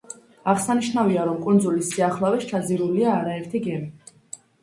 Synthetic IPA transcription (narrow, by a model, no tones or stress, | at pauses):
aʁsaniʃnaviaɾɔmkʼund̪zulisiaχlavɛʃt͡ʃʰad̪ziɾuliaːɾaɛɾt̪ʰiɡɛmi